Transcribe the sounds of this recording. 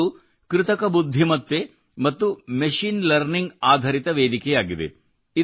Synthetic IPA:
u | kɾɪt̪ɐkɐbud̪ʱːimɐt̪ːe | mɐt̪ːumeʂiːnlɐɾniŋɡaːd̪ʱɐɾit̪ɐʋeːd̪ikɛjaːɡid̪ḛ | i

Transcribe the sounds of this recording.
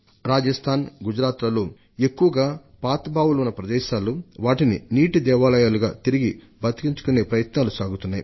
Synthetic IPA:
ɾaːd͡ʒɐst̪ʰaːnɡud͡ʒɾaːt̪lɐloː | e̞kːuʋɐɡaː | paːt̪baːwulɐunːɐpɾɐd̪ɛːʃaːluʋaːʈininiːʈid̪ɛːʋaːlɐjaːluɡaːt̪iɾiɡi | bɐt̪i̥kiɲt͡ʃu̥kune̞ːpɾɐjɐt̪naːlusaːɡut̪unːaːjḭ

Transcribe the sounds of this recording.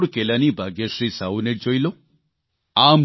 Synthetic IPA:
ɽkelanibʱaɡesɾisauned͡ʒojlo | am

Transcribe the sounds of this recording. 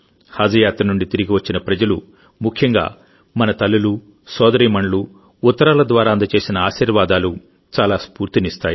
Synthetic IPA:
haːd͡ʒɐjaːt̪ɾɐnuɳɖit̪iɾiɡiʋɐt͡ʃːinɐpɾɐd͡ʒɐlu | mukʰjɐŋɡa̰ː | mɐnɐt̪ɐlːulu | sɔːd̪ɐɾiːmɐɳlu | ut̪ːɐɾaːlɐd̪ʋaːɾaːɐnd̪ɐt͡ʃe̞ːsinɐaːʃiːɾʋaːd̪aːlu | t͡ʃaːlaːspuːɾt̪inist̪aːji

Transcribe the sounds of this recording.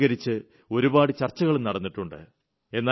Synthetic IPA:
ɣɐɾit͡ɕːɨ | o̞ɾubaːɽɨt͡ɕɐrt͡ɕːɐɣɐɭumnɐɽɐnːiʈːuɳɖɨ̰ | e̞nːaː

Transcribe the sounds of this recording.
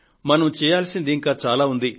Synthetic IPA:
mɐnɐmt͡ʃɛːjaːlsind̪iːŋkaːt͡ʃaːlaːund̪i

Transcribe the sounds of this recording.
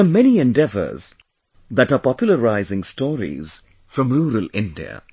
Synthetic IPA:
əmɛniɛ̃nɖɛvə̰z | ðæʈapɑpjʊl̩ˠəɾaɪzɪ̃ŋstɔːɾḭz̥ | fɾʌ̃mɾuːɾəlɪ̃ndḭə̰

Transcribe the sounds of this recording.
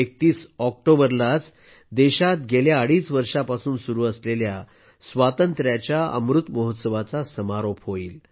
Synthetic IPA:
ek̚t̪iːsɔk̚ʈobəɾlat͡s | d̪eɕat̪ɡeljaːɽiːt͡sʋəɾʂapasuːnsuɾuːəslelja | sʋat̪ənt̪ɾjat͡ɕjaə̰mɾut̪mɔɦət̪səʋat͡sasəmaɾopɦoiːl

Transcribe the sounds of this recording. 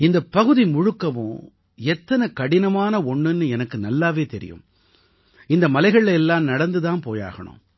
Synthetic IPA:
ɪnd̪ɐpːɐɣɯðimʊɻɯkːɐʋʊ̰̃ | ɛt̪ːɐnɐkɐɽɪnɐmaːnɐɔɳːɯnːɯɛnɐkːɯnɐlːaːʋeːt̪ɛɾɪ̰jɯ̰̃m | ɪnd̪ɐmɐlɐɪɣɐɭɛlːaːmnɐɽɐnd̪ɯðãːnpoːja̰ːɣɐ̰ɳʊ̰̃m

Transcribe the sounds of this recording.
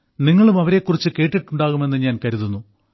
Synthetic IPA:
niŋːɐɭumɐʋɐɾe̞kːurit͡ɕːɨke̞ːʈːiʈːuɳɖaːɣume̞nːɨɲaːnkɐɾuðunːu

